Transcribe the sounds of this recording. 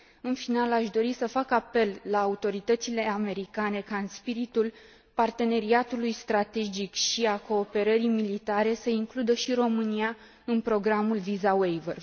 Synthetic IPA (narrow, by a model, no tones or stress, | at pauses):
ɨnfinalaʃd̪o̞ɾisəfakape̞lːaːut̪o̞ɾit̪ət̪sile̞ame̞ɾikane̞kaɨnspiɾit̪ul | part̪e̞ne̞ɾiat̪ulujst̪ɾat̪e̞d͡ʒikʃiako̞ːpe̞ɾəɾimilit̪aɾe̞səiŋklud̪əʃiɾo̞mɨnia | ɨnpɾo̞ɡɾamulvizawejvə̰r